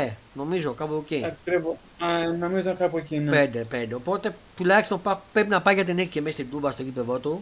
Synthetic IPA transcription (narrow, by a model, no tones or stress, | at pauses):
eno̞mizokɐpoceɐkkɾevo | ɐnomizonkɐpocinpend̪epend̪eopo̞t̪e̞t̪ulɐçist̪onpɐpɾepinɐpɐʝɐt̪̬inicemest̪id̪ubɐst̪oɡipevot̪u